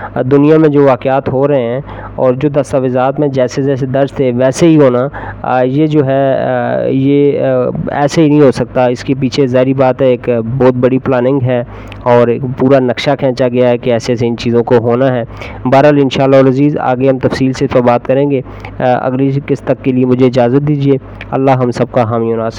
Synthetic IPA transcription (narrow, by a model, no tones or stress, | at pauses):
d̪ʊnijamẽd͡ʒoːʋaːkɪaːt̪ɦoɾɐɦeɦɛ̃ː | ɔːɾd͡ʒoːd̪ɐst̪aːʋɪzaːt̪mẽd͡ʒɛːsed͡ʒɛːs̬ed̪ɐɾzt̪ʰeʋɛːseɦiɦoːnajed͡ʒoːɦɛ | je | ɛ̰ːseɦinɐ̃ɦĩɦosɐk̚t̪aɪskep̬iːt͡ʃʰezaːɾibaːt̪ɦɛeːkbɔːt̪̚bɐɽiplaːnɪ̃ŋɡɦɛː | ɔːɾkpuːɾanɐkʃakʰɛ̃ːt͡ʃaɡɐjaɦɛkeɛːseːseɪnt͡ʃiːzõkoɦoːnaɦɛː | baːɾəlɪ̃nʃaːlːaɦʊlɐziːza̰ːɡeɦɐmt̪ɐfsiːlseɪspabaːt̪kɐɾẽːɡeː | ɐ̰ɡlikɪst̪əkːeliemʊd͡ʒʱeɪd͡ʒaːzət̪̚d̪iːd͡ʒieː | ɐ̰lːaɦɐmsɐb̚kaɦaːmionaːs